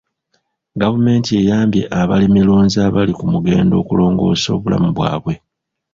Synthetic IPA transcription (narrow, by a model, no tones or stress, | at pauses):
ɡavume̞ːntie̞jaːmbje̞ʔaβalimiloːnzaβalikumuɡe̞ːndo̞ːkulo̞ːŋɡo̞̰ːso̞ːβula̰muβwa̰ːβwe̞